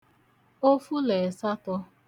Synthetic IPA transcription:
o˦fu˦le˨sa˦tʊ˦

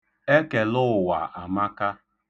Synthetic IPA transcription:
e˦ke˨lʊ˦˨wa˨ʔa˨ma˦ka˦

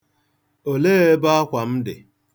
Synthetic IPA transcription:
o˨leː˦e˦ba˦a˦kʷa˨m̩˦dɪ̰˨

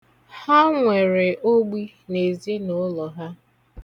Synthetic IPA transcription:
ha˦ŋʷe˨ɾe˨ʔo˦ɡ͡bi˦ | ne˨zi˦nʊ˦lɔ˨ɦa˦

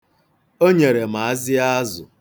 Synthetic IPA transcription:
o˦ɲe˨ɾe˨m̩a˨a˦zɪ˦a˦zʊ̰˨

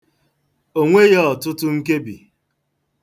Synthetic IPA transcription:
o˦ŋʷe˦ɣe˦ɔ˨tʊ˦tʊ˦ŋ̩˦ke˦bi˨

